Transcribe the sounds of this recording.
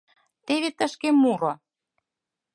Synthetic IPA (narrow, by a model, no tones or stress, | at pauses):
t̪eβet̪ə̆ʃkemuɾo